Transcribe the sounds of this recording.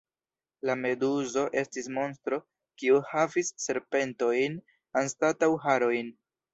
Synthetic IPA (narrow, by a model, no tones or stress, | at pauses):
lame̞duzo̞ʔe̞stismo̞nstɾo̞ | kiuhavisːe̞ɾpe̞nto̞jn | anstatawɦaɾo̞jn